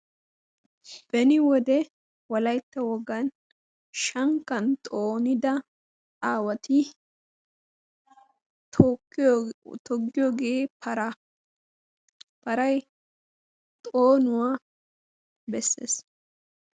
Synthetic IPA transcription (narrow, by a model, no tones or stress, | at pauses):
b̥ɛnɪwɔd̪ɛ | wɐlɐjt̪ːɐwɔɡɐn | ʃɐŋkːɐnt̪ʼoːnɪd̪ɐ | aːwɐt̪ɪ | t̪ɔɡːɪjoːɡe̞ːpʰɐɾɐ | pɐɾɐj | t̪ʼoːnʊwa | bɛsːḛːs